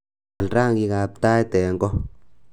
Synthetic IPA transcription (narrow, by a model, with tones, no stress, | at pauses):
lraː˦˨ŋɡi˧ka˨p̚t̪a˦jt̪ɛ˨ŋɡɔ˦